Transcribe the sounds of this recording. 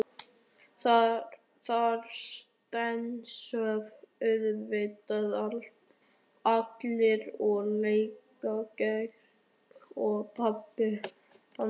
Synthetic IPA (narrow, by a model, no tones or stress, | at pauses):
a | θaɾst̪ɛnsœvʏðvɪt̪aðalt̪ | at̪lɪɾɔɣleːjk | acɛ̥ | kɔɣpʰapːɪ | a